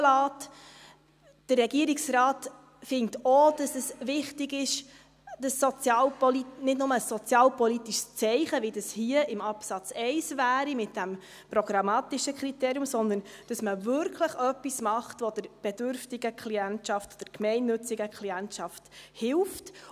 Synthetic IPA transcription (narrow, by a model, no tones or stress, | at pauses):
lɑːt | d̥ərrɛɡiəɾiksɾɑːt | fɪŋtod̥ɑsɛsʋɪχtɪɡɪʃ | d̥ɑsːɔt͡sjɑːlpɔlinɪtdnʊməsːɔt͡sjɑːlpɔlitiʃst͡sɛɪχəʋidɑshiəʔɪmɑpsɑt͡sɛɪsvæːɾimɪt̚d̥æm | pɾɔɡɾɑmɑːtiʃəkχɾiteːɾjʊmsɔnd̪ən | d̥ɑsməvʏɾkʰləχœpːismɑχtʋodəɾb̥ɛd̥ʏɾftiɡəkʰliɛntʃɑftd̥əɾkmɛɪnːʉt͡siɡəkʰliæntʃɑfthɪlft